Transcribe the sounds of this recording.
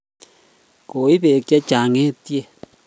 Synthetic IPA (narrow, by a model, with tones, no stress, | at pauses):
ko˨i˦βe˨kja˦t͡ʃa˨ŋẽ˦t̪je˦˨